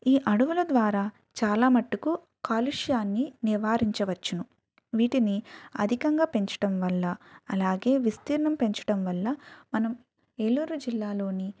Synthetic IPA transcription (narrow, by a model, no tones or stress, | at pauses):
iːʔɐɽuʋulɐd̪ʋaːɾaː | t͡ʃaːlaːmɐʈːuku | kaːluʂjaːnːiniʋaːɾiɲt͡ʃɐʋɐt͡ʃːɐnu | ʋiːʈiniɐ̰d̪ʱikɐŋɡaːpe̞ɲt͡ʃɐ̥ʈɐmʋɐlːɐɐlaːɡe̞ːʋist̪iːɾɐɳɐmpe̞ɲt͡ʃɐ̥ʈɐmʋɐlːɐmɐnɐm | eluːɾud͡ʒilːaːlo̞ːni